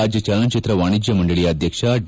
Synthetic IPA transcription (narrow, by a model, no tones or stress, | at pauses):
aːd͡ʒjɐt͡ʃɐːlɐnt͡ʃit̪ɾɐʋaːɳid͡ʒjɐmɐɳɖɐɭijɐːd̪ʱjɐkʂɐɖ